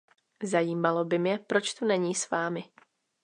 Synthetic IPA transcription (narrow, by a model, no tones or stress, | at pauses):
zajiːmalobɪmɲɛpɾo̞t͡ʃt̪unɛɲiːsvaːmɪ